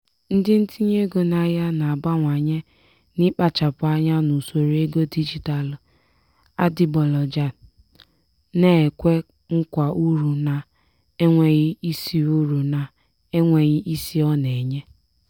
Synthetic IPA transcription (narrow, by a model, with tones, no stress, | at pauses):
n̩˦dɪ˦n̩˦ti˦ɲe˦ɡo˨na˨ja˦na˨a˨ba˦ŋʷa˨ɲe˦ | nɪ˦k͡pa˦t͡ʃa˨pʊ˦a˦ɲa˦nu˨so˨ɾe˦ɡo˦di˦d͡ʒi˨ta˨l | a˦dɪ˨˦bɔ˨lɔ˨d͡ʒa˨ | ne˦e˨kʷe˦ | ŋ̩˦kʷa˨ʔu˦ɾu˨na˨ | e˦ŋʷe˨ɣɪ˦i˦si˨u˦ɾu˨na˨ | e˦ŋʷe˨ɣɪ˦ʔi˦si˦ɔ˦ne˨ɲe˦